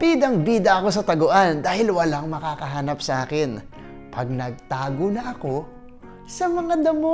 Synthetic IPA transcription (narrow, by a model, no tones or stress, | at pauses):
pid̪ɐŋbiːd̪ɐʔɐko̞s̬ɐt̪ɐɡoʔand̪aːhɪlwɐlaŋmɐkaːkɐɦaːnɐp̚sɐʔaːkɪn | pɐɡ̚nɐɡ̚t̪aːɡonɐʔɐko̞ | sɐmɐŋad̪ɐmo